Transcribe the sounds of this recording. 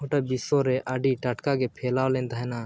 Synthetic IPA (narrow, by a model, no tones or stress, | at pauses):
ɦoʈabisoɾeʔaɖiːʈaʈkaɡepʰeːlaːlẽːnt̪aɦɛnaː